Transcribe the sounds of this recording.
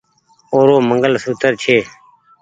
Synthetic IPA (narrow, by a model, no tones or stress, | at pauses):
oːɾoːməŋɡəlsuːt̪əɾt͡ʃʰeː